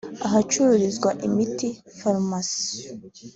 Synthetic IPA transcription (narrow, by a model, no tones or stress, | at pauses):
aɦat͡ʃuɾuɾizɡwaʔimiti | faɾmas